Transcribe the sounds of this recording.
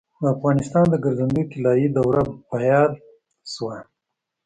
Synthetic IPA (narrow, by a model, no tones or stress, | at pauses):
d̪əːfɣɑnɪst̪ɑnd̪əɡaɾzand̪ujkɪlɑjid̪awɾabajɑl | swa